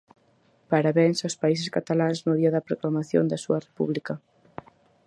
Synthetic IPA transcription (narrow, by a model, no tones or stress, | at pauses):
paɾaβɛnsawspais̬eskat̪alanznoðiɐðɐpɾoklamaθjo̰nd̪ɐsuɐrepṵβlikɐ